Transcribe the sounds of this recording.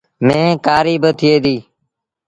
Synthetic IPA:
mẽːkaːɾiːbət̪ʰɪeːd̪iː

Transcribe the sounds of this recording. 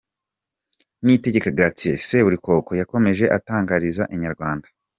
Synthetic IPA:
nite̞ɟe̞kaɡiɾat͡sieseβuɾiko̞ko̞jako̞me̞ʒe̞ʔataːŋɡaɾizaʔiɲaɾɡwaːndḁ

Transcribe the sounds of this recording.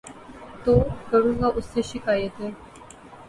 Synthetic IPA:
t̪okəɾũŋɡaʔuseɕikajet̪e

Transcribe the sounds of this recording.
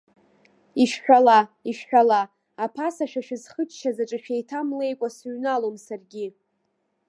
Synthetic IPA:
iʃħᶣalaiʃħᶣala | apʰasaʃᶣaʃɪzχət͡ʃʰʼʃazaʈ͡ʂʼɨʃᶣejtʰamle̞jkʷʼasɥnalomsarɡʲi

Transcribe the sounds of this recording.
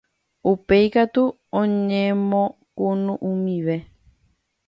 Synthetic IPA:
upe̞jkat̪u | õɲẽmõkunũʔũmĩʋe̞

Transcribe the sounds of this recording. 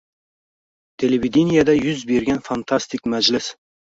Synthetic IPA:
t̪ʰelevid̪enijad̪ɛjyzbeɾɡʲɛnfɑnt̪ʰɑst̪ʰɪkʲmæd͡ʒlɪs

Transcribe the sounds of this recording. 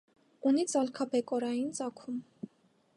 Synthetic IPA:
unikzɑlkʰɑpɛkʼɔɾɑjint͡sɑkʰum

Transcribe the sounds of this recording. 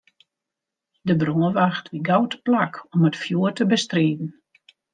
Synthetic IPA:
dəbroəʋaxtʰʋiɡawtplakʰɔmətfjuərtəbəstriːdn̩

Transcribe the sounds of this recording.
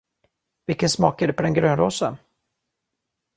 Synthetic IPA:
vɪlkːənsmɑːkaɖ̪ɛpʰɔd̪ɛnɡɾøːnɾoːsa̰n

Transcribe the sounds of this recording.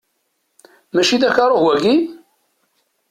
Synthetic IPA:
mæʃiðæçɑɾˤowæɡi

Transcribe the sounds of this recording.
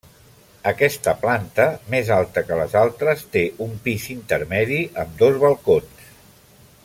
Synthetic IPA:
əkɛst̪əplant̪əmezalˠt̪əkələzalˠt̪ɾəst̪eʔumpizint̪əɾmɛðiʔəmd̪ozβəlˠkons

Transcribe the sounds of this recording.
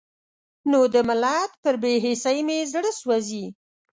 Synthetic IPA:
nod̪əmalat̪̚pəɾbeɦesajmezɽəswazi

